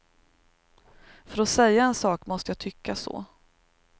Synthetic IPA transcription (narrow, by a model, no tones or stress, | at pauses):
fœɾɔsɛjːaɛnsɑːkmɔst̪əjaːt̪ʰʏkːasɔ̰ː